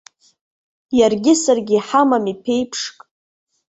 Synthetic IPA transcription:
jarɡʲɪsarɡʲiħamamipʰe̞jpʰʂkʼ

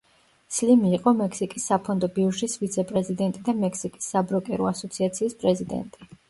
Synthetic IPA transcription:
slimiːqʼɔmɛkʰsikʼisːapʰɔnd̪ɔbiuʃisvit̪sʰɛpʼɾɛzid̪ɛnt̪ʼid̪amɛkʰsikʼi̥sːabɾɔkʼɛɾɔasɔt̪sʰiat̪sʰiːspʼɾɛzid̪ɛ̰nt̪ʼi

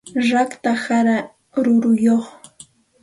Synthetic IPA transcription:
ɾakt̪ahaɾa | ɾʊɾʊjoχ

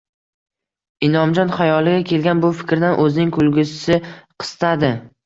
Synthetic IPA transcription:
ɪnɒmd͡ʒɒnχajɒlˠɪɡʲakʲʰe̞lɡʲanbʊfɪ̥kʲɾd̪anʔɵzɪnɪŋkʰʊlˠɡʲʊsɪsɪqʰɨ̥st̪ʰad̪ɪ

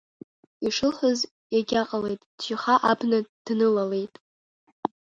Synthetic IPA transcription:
iʂɨlħʷəz | jaɡʲaqʼalejtʼːʒiχaʔabnad̥nɨlale̞jtʼ

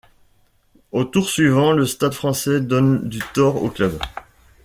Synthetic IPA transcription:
ot̪uʁsɥivɑ̃ləst̪ad̪fχɑ̃sɛd̪ɔnd̪yt̪ɔʁo̰klœb

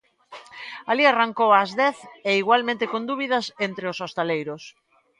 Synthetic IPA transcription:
aliaraŋkowazðɛθeiɣwalmẽnt̪ekond̪uβ̞iðɐsent̪ɾeosost̪alejɾos

